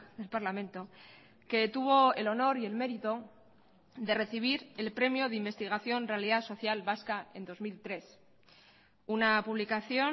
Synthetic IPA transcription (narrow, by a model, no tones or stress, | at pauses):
ðe̞lpaɾlamẽ̞nt̪o̞ | ke̞t̪uβ̞o̞e̞lo̞no̞ɾie̞lme̞ɾit̪o | ðe̞re̞θiβ̞iɾe̞lpɾe̞mjoðeimbe̞st̪iɣaθjo̞nrealiðaso̞θjalβaskae̞̰nd̪o̞zmilt̪ɾe̞s | unapuβlikaθjo̞